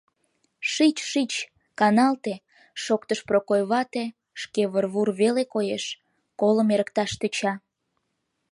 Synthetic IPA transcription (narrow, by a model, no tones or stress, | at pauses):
ʃit͡ɕʃit͡ɕ | kɑnɑlt̪e | ʃokt̪əʃprokojβɑt̪e | ʃkeβərβurβelekojeʃ | koləmeɾək̚t̪ɑʃt̪ət͡ɕɑ